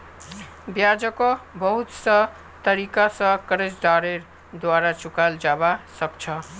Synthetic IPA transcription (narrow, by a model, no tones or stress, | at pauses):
bjad͡zʌkobʌɦut̪sʌ | t̪ʌɾikasʌ̃kʌɾesɖaɾeɾ | d̪waɾat͡ʃukald͡ʒabasʌbt͡ʃʰʌ